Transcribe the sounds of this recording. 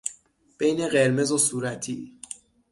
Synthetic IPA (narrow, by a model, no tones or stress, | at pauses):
b̥e̞jne̞ɢe̞ɾme̞zosuːɾæt̪ʰiː